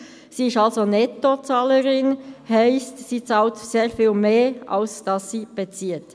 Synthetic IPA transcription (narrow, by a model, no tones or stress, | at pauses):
siːɪstɑlzonɛtot͡sɑːləɾɪnhaɪstsiːt͡sɑltseːɐfiːlmeːa̰lsd̥ɑsːiːb̥et͡siːət